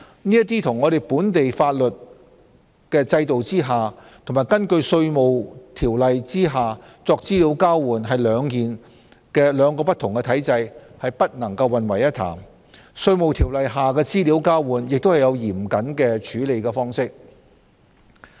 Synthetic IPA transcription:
niː˥jɐ˥t̪̬iː˥t̪ʰʊ˨˩ŋːɔ˨˧ɾe˨jpuː˨˥nt̪e˨jfaː˧t̚lɵ˨t̚ | kɛː˧t͡sɐ˧jt̪o˨wt͡siː˥ɦaː˨t̪ʰʊ˨˩maː˨˩jkɐ˥nkɵ˧ɥsɵ˧ɥmo˨wt̪ʰiː˨˩wlɐ˨jt͡siː˥ɦaː˨ | t͡sɔː˧k̚t͡siː˥liː˨˥wkaː˥wwuː˨˩nɦɐ˨jlœː˨˧ŋkiː˨n | kɛː˧lœː˨˧ŋkɔː˧pɐ˥t̪ʰʊ˨˩ŋkɛː˧t̪ʰɐ˨˥jt͡sɐ˧jhɐ˨jpɐ˥t̚nɐ˨˩ŋkɐ˧wːɐ˨nwɐ˨˩jɐ˥t̪ʰːa̰ː˨˩m | sɵ˧ɥmo˨wt̪ʰiː˨˩wlɐ˨jɦaː˨kɛː˧t͡siː˥liː˨˥wkaː˥wwuː˨˩njɪ˨k̚t̪whɐ˨jɐ˨˧wjiː˨˩mkɐ˨˥nkɛː˧t͡ʃʰyː˨˥le˨˧jkɛː˧fɔː˥ŋsɪ˥k̚

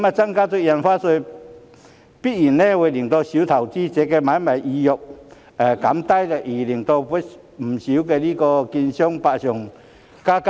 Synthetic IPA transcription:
ma˨˧t͡sa˦ŋka˦t͡se˧ja˨˧nfa˦se˧j | pi˦i˨˩nẽ˦we˧li˨˩ŋt̪ɔ˧ɕu˨˦t̪ʰa˨˩wt͡ɕi˦t͡ɕe˨˧˦ke˧ma˨˦jma˨˩ji˧jɔ˨k̚ | a˨ka˨˦mt̪a˦jd̪ə˨ʔi˨˩li˨˩ŋt̪ɔ˧ɸe˦ | m̩˨˩ɕu˨˦ke˧˨li˦kɔ˧ki˧nɕjɔ˦ŋpa˧ɕjɔ˨˩ŋ | ka˦k

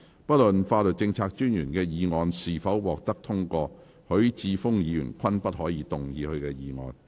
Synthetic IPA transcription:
pɐ˥t̚lɵ˨nfaː˧lɵ˨t̚t͡sɪ˧ŋt͡sʰaː˧k̚t͡ʃyː˥njyː˨˩nkɛː˧jiː˨˧ŋɔː˨nsiː˨˩fɐ˨˥wwɔː˨k̚t̪ɐ˥k̚t̪ʰʊ˥ŋkɔː˧ | hɵ˨˥ɥt͡siː˧fʊ˥ŋjiː˨˧jy̰˨˩nkʷʰɐ˥npɐ˥t̚ɦɔː˨˥jiː˨˧t̪ʊ˨ŋjiː˨˧hɵ˧ɥkɛː˧jiː˨˧ŋɔ̰ː˨n

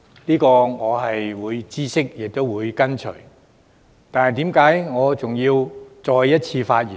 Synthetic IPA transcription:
liː˥kɔː˧ŋɔː˨˧ɦɐ˨jwuː˨˧jt͡siː˥sɪ˥k̚jɪ˨k̚t̪o˥wwuː˨˧jkɐ˥nt͡ʃʰɵ̰˨˩ɥ | t̪aː˨nhɐ˨˩jt̪iː˨˥mkaː˨˥jŋɔː˨˧t͡sʊ˨ŋjiː˧wt͡sɔː˧jjɐ˥t̚t͡sʰiː˧faː˧t̚jyː˨˩

